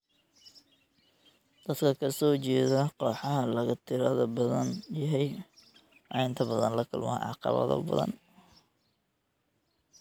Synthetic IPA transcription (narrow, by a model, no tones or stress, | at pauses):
d̪̥ɐd̪kʰɐkʰɐsɔːt͡ʃɛːðɐqɔːħɑɦɐlɐɣɐt̪ʰɪɾɐðɐbɐðɐnjɐɦɛj | ʕɑjnt̪ʰɐbɐðɐnlɐkʰʊlmɐʕɑ̰qɑ̰βɐ̰ðɐ̰bɐ̰ðɐ̰n